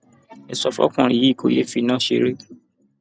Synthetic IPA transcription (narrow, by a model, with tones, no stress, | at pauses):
ɛ˨sɔ˧fɔ̰˦kũ˦˨ɾi˨ji˨˦˨kʰo˧˦je˦fi˧˦nãː˦˨ʃḛ˧ɾe˦